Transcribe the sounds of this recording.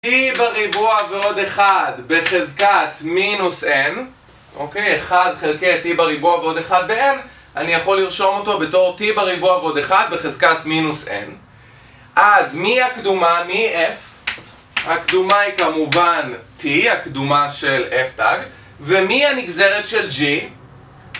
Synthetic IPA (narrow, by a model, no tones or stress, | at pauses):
tibaʁibuaveo̞deχadbeχezkatminusen | ʔokejeχadχelkejatibaʁibuaveo̞deχad̪̚been | ʔanijaχo̞lːiʁʃo̞mo̞to̞be̞to̞ʁtibaʁibuaveo̞deχad̪̚beχezkatminusḛn | ʔazmiakdumamiʔef | hakdumaikamuvantʰihakdumaʃeleftaɡ | vemihaniɡze̞ʁetʃe̞ld͡ʒi